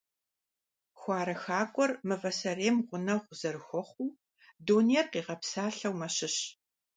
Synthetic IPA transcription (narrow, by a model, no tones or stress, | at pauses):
xʷɑːɾɐxaːkʷʼɔrmɨvɐsɐreːmʁʷʊnɐwʁʷʊz̥ɐrɨxʷɔχʷuː | doːnijɛrqiːʁɐpsaːɬɐwmɐɕɪɕ